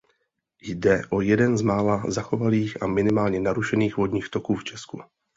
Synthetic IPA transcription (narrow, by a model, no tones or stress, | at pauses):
jdɛʔo̞jɛdɛnzmaːlazaxo̞valiːxʔamɪnɪmaːlɲɛnaɾuʃɛniːxvo̞dɲiːxt̪o̞kuːft͡ʃɛsku